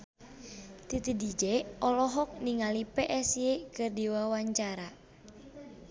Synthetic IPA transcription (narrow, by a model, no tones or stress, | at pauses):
t̪it̪idid͡ʒɛɔlɔɦɔk̚niŋalipeʔɛsjekɨrdiwawaɲt͡ʃaɾa